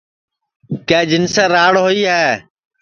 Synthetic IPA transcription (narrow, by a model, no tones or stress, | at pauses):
keːd͡ʒɪnsẽːɾaːɽɦoiːɦɛː